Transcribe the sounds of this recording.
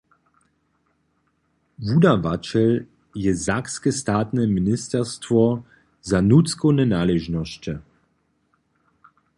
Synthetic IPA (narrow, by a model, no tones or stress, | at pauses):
vudavat͡ʃɛl | jɛzakskɛstaːt̪nɛminɪst̪ɛʁstvɔ | zanut͡skɔwnɛnaːlɛʒnɔɕt͡ʃə